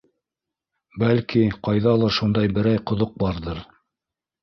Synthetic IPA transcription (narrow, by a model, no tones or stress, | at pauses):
bælkiqɑjðɑlˠɑʃund̪ɑjbɘ̆ɾæjqŏðoq̚bɑɾðɤɾ